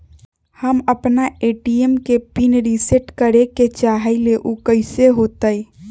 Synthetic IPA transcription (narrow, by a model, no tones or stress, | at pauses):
həməpnaeʈiemkepinɾiseʈkəɾeket͡ʃaɦəleʔukəɪseɦot̪əj